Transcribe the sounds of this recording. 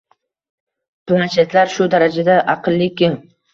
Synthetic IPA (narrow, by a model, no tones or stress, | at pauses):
plˠanʃet̪laɾʃʊd̪aɾad͡ʒad̪aʔɑqʰɨlˠːɪkʲɪm